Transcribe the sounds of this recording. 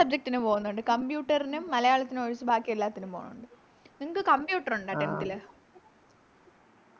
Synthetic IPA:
sɐb̚d͡ʑek̚ʈːinumpo̞ːɣunːuɳɖɨkɐmbjuːʈːɐrinumːɐlɐjaːɭɐt̪ːinɨoɻit͡ɕːɨbaːkːijelːaːt̪ːinumpoːɣunːṵɳɖɨ | niŋɐkːɨkɐmbjuːʈːɐruɳɖaɐːʈent̪ːil

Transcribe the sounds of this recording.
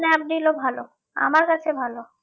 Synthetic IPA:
nɛp̚ɖilobʱalo | a̰maɾkat͡ɕʰebʱalo

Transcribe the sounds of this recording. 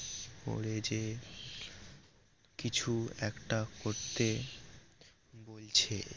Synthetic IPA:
ko̰ɽed͡ʑe | kit͡ɕʰuɛkʈakoɾt̪e | bolt͡ɕʰe

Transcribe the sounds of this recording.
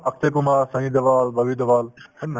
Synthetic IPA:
ɐk̚ʰt̪eːkumaːɾsɐ̃id̪ɐʋaːlbɐʋid̪ɐʋaːl

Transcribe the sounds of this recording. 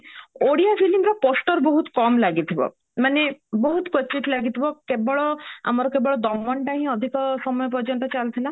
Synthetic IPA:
oɽijafʰilimɾɔpɔsʈɔɾbɔɦut̪kɔmlaɡit̪ʰibɔ̰ | manebɔɦut̪kɔt͡ʃːiʈ̪laɡit̪ʰibɔkebɔɭɔa̰mɔɾɔkebɔɭɔd̪ɔɡmɔɳʈaɦĩɔd̪ʱikɔsɔmɔjɔp̬ɔd͡ʒɔnt̪ɔt͡ʃalt̪ʰila

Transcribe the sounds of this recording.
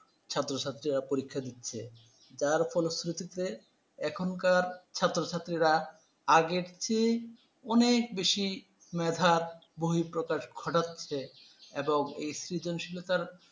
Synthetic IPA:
t͡ɕʰat̪ːɾot͡ɕʰat̪ːɾiɾapoɾikʰːad̪itːɕʰḛ | d͡ʑaɾfɔlsɾut̪it̪e | ɛkʰonkaɾt͡ɕʰat̪ːɾot͡ɕʰat̪ːɾiɾa | aɡeɾt͡ɕʰe | ɔnek̚beʃi | mɛd̪ʱaɾboɦipɾokaʃɡʱɔʈatːɕʰeeboŋḛjsɾid͡ʑonʃilot̪aɾ

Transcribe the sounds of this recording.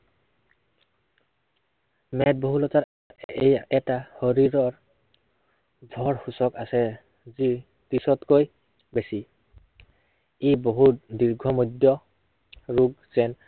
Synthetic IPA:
mɛd̚boɦulɔtaɹ | ejɛtahoɹiɹɔɹ | dʱɔɹxusɔkasɛ | zi | tisɔtkoj | besi | ejboɦut̚diɹɡʱɔmɔdjɔ | ɹuɡz̥ɛn

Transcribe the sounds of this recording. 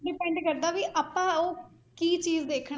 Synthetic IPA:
ɖɪpɛ̃ːɳɖkəɾd̪aːʋiːʔaːpãːoː | kiːt͡ʃiːzd̪eːkʰɳ

